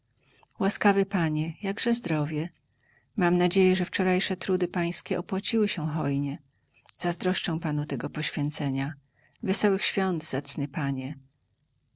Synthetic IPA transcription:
waskavɘpaɲɛjaɡʐɛzd̪ɾɔvʲjɛ | mamnad͡ʑejɛʐɛft͡ʂɔɾajʂɛt̪ɾud̪ɘpaj̃skʲɛʔɔpwat͡ɕiwɘɕɛɦɔjɲɛ | z̥azd̪ɾɔʂt͡ʂɛ̃w̃panut̪ɛɡɔpɔɕfʲjɛnt̪sɛɲa | vɛsɔwɘxɕfʲjɔnd̪zat̪snɘpaɲɛ

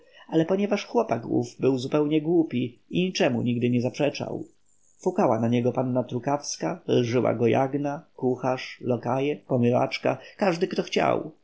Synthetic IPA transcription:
alɛpɔɲɛvaʂxwɔpakṵvbɘwzupɛwɲɛɡwupʲiiɲit͡ʂɛmṵɲiɡd̪ɘɲɛzapʂɛt͡ʂa̰w | fukawanaɲɛɡɔpanːat̪ɾukafskalʐɘwa̰ɡɔja̰ɡnakuxaʂlɔkajɛpɔmɘva̰t͡ʂka̰kaʐd̪ɘkt̪ɔxt͡ɕa̰w

